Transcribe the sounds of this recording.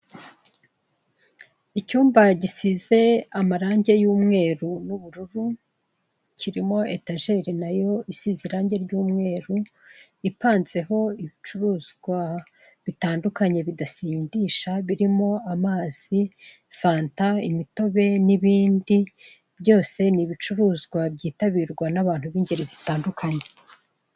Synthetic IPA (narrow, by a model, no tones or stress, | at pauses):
icuːmvaɟisize̞amaɾaːɲɟe̞juːmŋe̞ːɾunuβuɾuɾu | cʰiɾimo̞e̞taːʒe̞ɾinajo̞isiziɾaːɲɟe̞ɾɟuːmŋe̞ːɾu | ipaːnze̞ɦo̞iβit͡ʃuɾuːzɡwa | βitaːndukaɲe̞βidasiːndiːʃaβiɾimo̞amaːz̥i | faːntaimito̞βe̞niβiːndi | bjɟo̞ːse̞niβit͡ʃuɾuːzɡwabɟiːtaβiːɾɡwanaβaːn̥huβiːɲɟe̞ɾizitaːndukʰaɲe